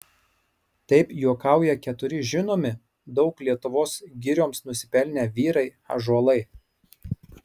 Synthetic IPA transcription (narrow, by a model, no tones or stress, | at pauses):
t̪ɐɪpjuɔkɑˑʊjɛkʲɛt̪ʊɾʲɪʒʲɪnoːmʲɪ | d̪ɒʊklʲiɛt̪ʊʋoːsɡʲɪɾʲoːmsnʊsʲɪpʲɛlʲnʲɛʋʲiːɾɐɪ | ɐ̰ʒuɔlˠɐɪ